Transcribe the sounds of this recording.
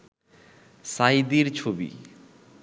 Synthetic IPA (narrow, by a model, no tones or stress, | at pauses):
sajd̪iɾt͡ɕʰobḭ